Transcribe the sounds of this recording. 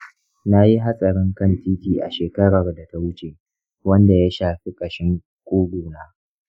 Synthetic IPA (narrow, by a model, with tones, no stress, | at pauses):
na˦ji˦ɦa˦sʼɐ˨ɽɪ˦ŋkɐ˦ntiː˦tiː˨ʔa˨ʃeː˨kɐ˦ɽɐ˨rda˨ta˦wʊ˦t͡ʃʼe˨ | wɐ˦nda˨ja˦ʃaː˨ɸi˦kʼɐ˨ʃɪ˦ŋ | kʷʼuː˦ɡuː˨naː˦